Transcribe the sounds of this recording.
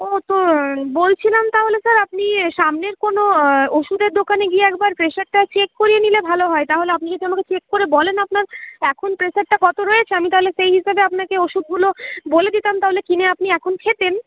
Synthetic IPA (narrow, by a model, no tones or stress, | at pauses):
ot̪obolt͡ɕʰilamt̪aɦolesaɾapniʃamneɾkonooʃud̪eɾd̪okaneɡieɛk̚baɾpɾeʃaɾʈat͡ɕekːoɾijenilebʱaloɦɔet̪aɦoleapniket̪eonaket͡ɕekːoɾebɔlenap̚naɾɛkʰonpɾeʃaɾʈakɔt̪oɾoet͡ɕʰeamit̪aɦoleʃejɦiʃabeapnakeoʃud̪̚ɡuloboled̪it̪amt̪aɦolekineapniɛkʰonkʰet̪en